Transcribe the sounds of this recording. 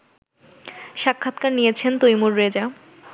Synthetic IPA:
ʃakʰːat̪kaɾnijet͡ɕʰent̪ojmuɾːed͡ʑa

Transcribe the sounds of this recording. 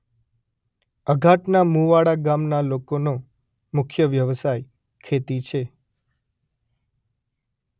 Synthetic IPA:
əɡʱaʈnamũʋaɽaɡamnalokono | mʊkʰjəʋjəʋsaj | kʰet̪it͡ʃʰe

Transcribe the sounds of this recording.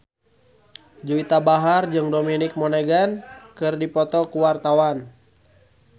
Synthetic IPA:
d͡ʒuit̪abaɦard͡ʒɨŋdominɪk̚mɔneɡankɨrdipɔt̪ɔkuwart̪awan

